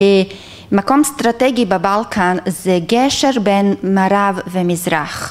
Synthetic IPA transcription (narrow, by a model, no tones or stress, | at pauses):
makɔmstɾatɛɡɪbabalˠkʰanzeɡɛʃəɾbɛnmaɾavvɪmɪzɾaχ